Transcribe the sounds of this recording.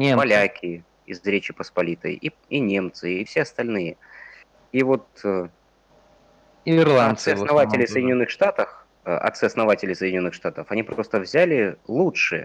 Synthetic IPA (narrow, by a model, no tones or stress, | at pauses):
nʲepɐlʲakʲʰɪ | ɪ̰zɾʲet͡ɕɪpəspɐlʲit̪ɨ̰ | inʲe̞mt̪sɨːfsʲeɐst̪ɐlʲnɨjə | ivo̞t̪ə | irlˠaɐt̪sɨɐsnɐvat̪ʲɪlʲɪjfsəjdʲɪnʲonːɨxʂt̪at̪əf | ɐ̰t̪sɨɐsnɐvatʲɪlʲɪjsədʲɪnʲo̞nːɨxʂt̪at̪əfɐnʲipɾo̞st̪əvzʲælʲɪlˠutʂɨ